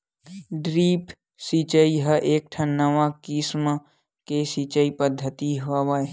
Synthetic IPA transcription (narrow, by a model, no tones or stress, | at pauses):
ɖɾiːpʰ | sit͡ʃəiɦəʔeːk̚ʈʰənəʋakismə | kesit͡ʃəipəd̪ʱːət̪iɦaʋae